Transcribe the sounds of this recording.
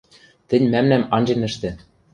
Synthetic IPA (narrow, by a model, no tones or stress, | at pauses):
t̪ɘ̆nʲmæmnæmɑnʲd͡ʑenɘ̆ʃt̪ĕ